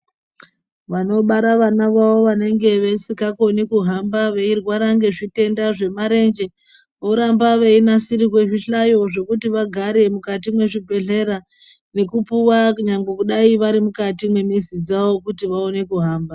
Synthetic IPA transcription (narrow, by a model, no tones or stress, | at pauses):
ʋano̞ɓaɾaʋanaʋawo̞ʋane̞ŋɡe̞ʋe̞sikakonikuɦambaʋe̞irwaɾaŋɡe̞ʐite̞ndaʐe̞maɾe̞nd͡ʒe̞ | oɾambaʋeinasiɾikwe̞ʐiɬajo̞ʐo̞kutiʋaɡʱaɾe̞mukatimwe̞ʐibʱe̞ɮe̞ɾa | ne̞kupuwakɲaŋɡekuɗaiʋaɾimukatimwe̞misid͡zao̞kutiʋao̞ne̞kuɦaːmba